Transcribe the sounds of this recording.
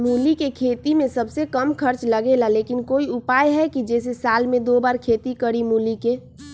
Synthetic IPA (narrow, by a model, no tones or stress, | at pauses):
muːlikekʰeːt̪imẽsəbsekəmkʰəɾt͡ʃləɡelaleːkɪnkoːiʊpaːjɦɛkid͡ʒɛːs̬esaːlmẽd̪oːbaːɾkʰeːt̪ikəɾimuːlike